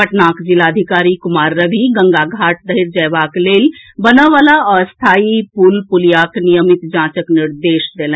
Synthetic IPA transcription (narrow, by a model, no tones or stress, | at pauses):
ɐʈnaːkd͡ʒɪlaːəd̪ʱɪkaːɾikʊmaːɾːɐʋiɡɐ̃ŋɡaɡʱaːʈd̪ɐɪɾd͡ʒɐjʋaːkleːlbɐnaʋaːlaɔːɾst̪ʰaːipulpʊlijaːknijəmɪt̪d͡ʒãːt͡ʃəknɪɾd̪eːʃd̪eːlɛ̃